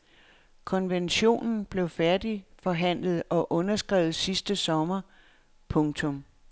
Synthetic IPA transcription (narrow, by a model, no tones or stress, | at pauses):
kʰɒ̽nʋenɕo̝̰ːnn̩b̥le̝ʊfæɐd̥ifɒ̽ɦæn̰ləð̞̩ˠɒ̽ʔɔ̽nɐsɡ̥ʁɛ̰ːʊð̩ˠsisd̥əsɒ̽mɐ | pʰɔ̽ŋt͡sʰɔ̽m